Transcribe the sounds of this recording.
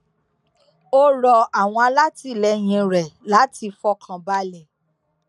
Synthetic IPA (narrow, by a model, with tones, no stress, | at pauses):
o˦ɾɔ˧a˦˨w̃ɔ̃˧a˧la˦ti˧lɛ˨˦j̃ĩ˧ɾɛ˨la˨˦ti˧fɔ˧˦kʰã˨ba˧˦lɛ˨